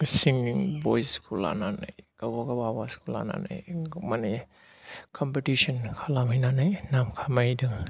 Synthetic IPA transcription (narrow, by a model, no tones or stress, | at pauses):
siŋiŋbojskʰula̰nana̰jkawaɡabawaskula̰na̰na̰jmane | kʰɔmpetisɔnkʰalamajnanajnamkʰamajdɯ